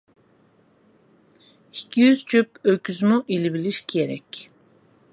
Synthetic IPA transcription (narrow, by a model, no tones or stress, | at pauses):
icʰijyzt͡ʃʰyp̚øcʰyzmuʔilibilʲiʃcʰieɾɛc